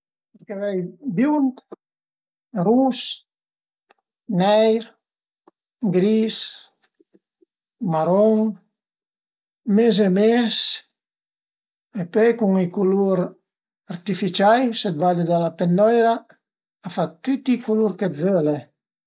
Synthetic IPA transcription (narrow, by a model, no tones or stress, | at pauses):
peɾkevɛjbjunt̪ | rus | nɛjɾ | ɡɾis | maɾɔŋ | mez̬emes | epøjkuŋikuluɾ | aɾt̪ifit͡ʃajset̪̚vad̪ed̪alapend̪ɔjɾaː | fat̪yt̪ikuluɾket̪vøle